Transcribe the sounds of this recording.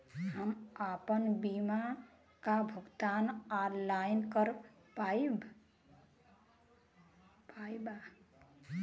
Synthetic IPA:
həmapənbima | kabʱuɡt̪analajnkəɾ | pab | pajba

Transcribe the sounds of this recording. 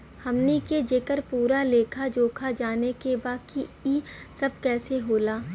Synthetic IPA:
hɐmniked͡ʒeːkəɾpuːɾaleːkʰad͡ʒoːkʰad͡ʒaːnekebaːkiisɐb̚kɛːseɦoːlaː

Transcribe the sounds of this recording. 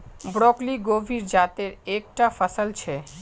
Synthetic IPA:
bɽɔkliɡobʱiɾd͡ʑat̪eɾek̚ʈafəsəlt͡ɕʰe

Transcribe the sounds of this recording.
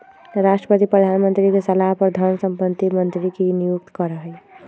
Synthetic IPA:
ɾasʈɾəpət̪ipɾəd̪ʱanmənt̪ɾikesəlaɦpəɾd̪ʱʌɾnsəmpənt̪ːimənt̪ɾikenijuk̚t̪kʌɾəɦəj

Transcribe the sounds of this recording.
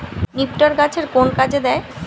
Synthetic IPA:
nikʈoɾɡat͡ɕʰeɾkonkad͡ʑʰed̪ɛe

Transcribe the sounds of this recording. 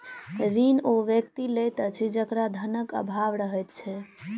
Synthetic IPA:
ɾinoʋjəkt̪ilejt̪ət͡ʃʰid͡ʒəkɾad̪ʱənəkə̰bʱaʋɾəɦɛjt̪t͡ʃʰɛ

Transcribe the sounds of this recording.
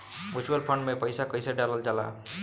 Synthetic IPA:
ut͡ʃuwʌlpʰʌɳɖmepʌjsakʌjsaɖaləld͡ʒala̰

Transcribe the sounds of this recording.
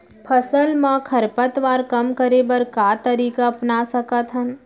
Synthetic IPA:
pʰɐsəlmãkʰɐɾpət̪ʋaːɾkɐmkəɾebəɾkaːt̪əɾiːkaɐpnasɐkət̪ɦən

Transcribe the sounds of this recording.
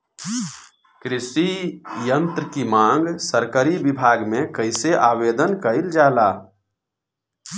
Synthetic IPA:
kɾɪsijənt̪ɾəkimãːŋɡsəɾkəɾibibʱaːɡmẽkəɪseʔaːʋed̪ənkəɪld͡ʒaːla

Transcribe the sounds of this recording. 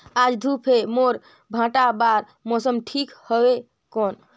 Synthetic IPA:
ad͡ʒd̪ʱupʰemoɾ | bʱãʈabaɾ | mosəmʈʰikhɔbe | kon

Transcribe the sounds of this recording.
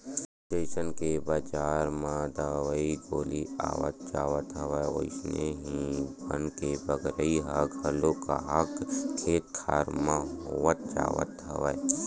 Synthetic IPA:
sʈeːsənkebaːd͡ʒaːɾmãd̪aʋəiɡoːlia̰ːʋə̰t̪̚d͡ʒaːʋət̪ɦɐʋəeo̰ɪsneɦĩbənkebəɡɾəiɦəkɦɐloka̰ɦəkkʰeːt̪ʰːaːɾmãɦoʋət̪̚d͡ʒa̰ːʋə̰t̪ɦɐ̰ʋəe

